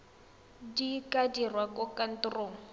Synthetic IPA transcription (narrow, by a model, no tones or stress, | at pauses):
dikʼadirwakʊkan̩tʊroːŋ̩